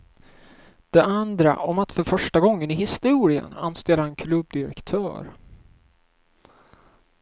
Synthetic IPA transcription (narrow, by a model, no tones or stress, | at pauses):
d̪̥ɛʔand̪ɾa̰ʔɔmat̪fœɾfœʂʈaɡɔŋːənɪɦɪst̪uːɾɪə̰na̰nst̪eːlaɾɛnkʰlɵbd̪ɪɾɛ̰kt̪ʰœ̰ːɾ